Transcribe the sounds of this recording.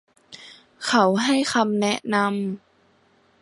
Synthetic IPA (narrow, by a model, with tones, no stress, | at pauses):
kʰa˦˥wɦa˥˩jxʰa˧mnɛ˦˥ʔna˧m